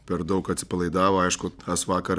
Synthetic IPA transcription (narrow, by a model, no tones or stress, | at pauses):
pʲɛɾd̪ɐʊkɐt̪ʲsʲɪ̥pɐlˠɐɪd̪ɑːʋoːɐɪʃkʊt̪ʰɐsʋɑːkɐɾ